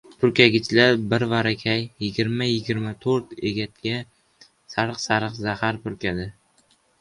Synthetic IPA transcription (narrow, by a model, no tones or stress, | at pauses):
pʰʊɾkʲaɡʲɪt͡ʃʰlaɾbɪɾvaɾakʲʰajːɪɡʲɪɾmajɪɡʲɪɾmat̪ʰoɾt̪e̞ɡʲat̪̚ɡʲa | saɾɨqsaɾɨqzahaɾpʊɾkʲad̪ɪ